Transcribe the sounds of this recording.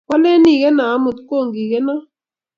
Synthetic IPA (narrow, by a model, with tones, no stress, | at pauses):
ka˦le˦ni˨kɛ˦na˨˦mu˨t̪ko˦˨ŋɡi˨kɛ˦nɔ˦